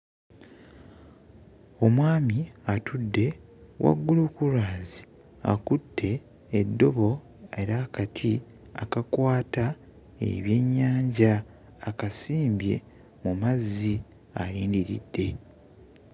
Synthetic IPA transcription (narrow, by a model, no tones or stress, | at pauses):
o̞mwaːmiatʰudːe̞wʔa̰ɡːulukuɾaːzi | a̰kutʰːe̞ː | dːo̞βo̞ | e̞ɾakatʰi | a̰kakwaːta | e̞̰βje̞ɲːaːɲɟaː | kasiːmbje̞̰ | mumazːi | aɾiːndiɾḭdːe̞